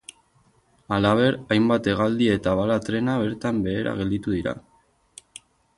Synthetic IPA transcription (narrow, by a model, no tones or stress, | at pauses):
alaβ̞e̞ɾajmbat̪e̞ɣ̞ald̪ie̞t̪aβalat̪ɾe̞naβ̞e̞ɾt̪ambe̞ːɾa̰ɣe̞ld̪it̪uðiɾa̰